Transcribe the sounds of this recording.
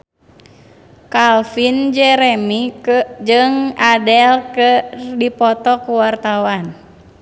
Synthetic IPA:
kalfind͡ʒɛɾɛmid͡ʒɨŋadɛlkɨrdipɔt̪ɔkuwart̪awan

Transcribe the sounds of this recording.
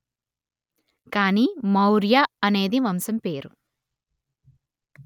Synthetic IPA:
kaːniːmɐwɾjaɐne̞ːd̪imɐmsɐmpeːɾu

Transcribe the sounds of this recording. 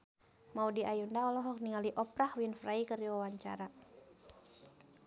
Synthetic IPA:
maudiʔajundaɔlɔɦɔk̚niŋaliʔɔpɾahwinfraikəriwawaɲt͡ʃa̰ɾa

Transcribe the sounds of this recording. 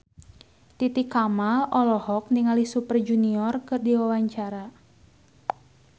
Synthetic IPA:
t̪it̪ikamalɔlɔhɔk̚niŋalisupərd͡ʒuniɔrkɨrdiwawaɲt͡ʃaɾa

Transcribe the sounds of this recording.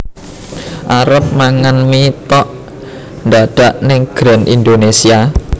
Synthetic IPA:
ʔaɾəp̚maŋanmit̪ɔʔ | nd̪aɖ̥a̤ʔnɪŋɡ̥ɾa̤nʔḭnd̪onesia

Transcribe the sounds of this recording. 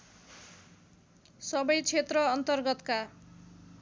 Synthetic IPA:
sʌbʌjt͡sʰet̪rʌːnt̪ʌrɡʌt̪ka

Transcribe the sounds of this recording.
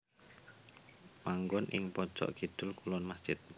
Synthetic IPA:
maŋɡɔnʔɪ̰ŋpɔ̥t͡ʃɔ̰ʔɡ̥i̤d̪̥ʊ̤lkulɔnmasd̥ʒ̥ɪt̪̚

